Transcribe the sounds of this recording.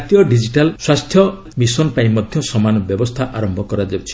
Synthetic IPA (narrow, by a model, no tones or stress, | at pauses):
t̪ijɔɖid͡ʒiʈalswast̪ʰjɔ | misɔnpaĩmɔd̪ʱjɔsɔmanɔbjɔbɔst̪ʰaʔaɾɔmbʱɔkɔɾad͡ʒabt͡ʃʰi̥